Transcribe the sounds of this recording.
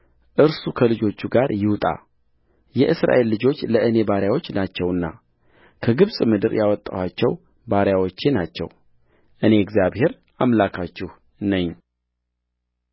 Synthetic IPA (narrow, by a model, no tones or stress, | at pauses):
ʔɨɾsukʰəlɨd͡ʒo̞t͡ʃːuɡaɾjɪwt̪ʼa̰ | jɛʔɨsɾa̰ʔe̞lːɨd͡ʒo̞t͡ʃːləʔɨne̞baɾjawo̞t͡ʃːnat͡ʃːɛwɨnːa̰ | kʰəɡɨβsʼmɨd̪ɨɾjawɔt̪ʼːa̰wat͡ʃːɛw | baɾjawot͡ʃːenat͡ʃːɛ̰w | ʔɨne̞ɛɡzjaβhe̞ɾ | ʔamlakʰat͡ʃːɪh | nəɲː